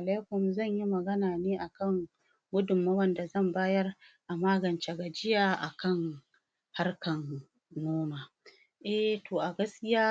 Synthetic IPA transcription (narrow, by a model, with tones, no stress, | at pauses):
ʔa˨laː˦kʷʊ˨mzɐ˦˨ɲji˦mɐ˨ɡɐ˦naː˨neː˦ʔa˨kɐ˦˨ŋ | ɡʷʊ˦dʊ˨mːa˦wɐ˦nda˨zɐ˦˨mbaː˦jɐ˦rʔa˨maː˦ɡɐ˨nt͡ʃe˨ɡa˨d͡ʒɪ˦jaː˨ʔa˨kɐ˦˨ŋ | ha˦rkɐ˨nː | oː˦maː˨ | ʔɛ˦˨toː˨ʔa˨ɡɐ˦skʲɪ˦jaː˦